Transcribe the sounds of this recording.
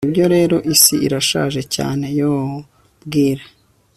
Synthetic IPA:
ibjo̞ɾe̞ːɾo̞ʔisiiɾaʃa̰ːʒe̞ca̰ːne̞joː | bɡiːɾa

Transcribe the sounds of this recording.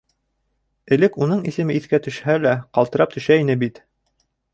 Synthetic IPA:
ɘ̆lɘkunɤɴisɘ̆mɘiθkæt̪ɵ̆ʃhælæqɑlˠt̪ɤ̆ɾɑp̚t̪ɵ̆ʃæinɘbit̪

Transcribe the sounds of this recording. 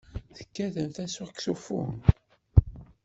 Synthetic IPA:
θə̥kːæðəmθæsuʁkθufṵ

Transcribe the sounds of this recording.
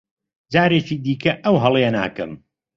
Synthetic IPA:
d͡ʒaːɾeːt͡ʃiːd̪iːkɐʔɐwɦɐlˠena̰ːkɨ̰m

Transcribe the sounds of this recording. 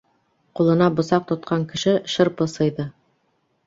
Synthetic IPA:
qulˠɤ̆nɑbŏsɑq̚t̪ŏt̪̚qʰɑŋkɘ̆ʃɘʃɤ̆ɾpɤsɤ̆jðɤ

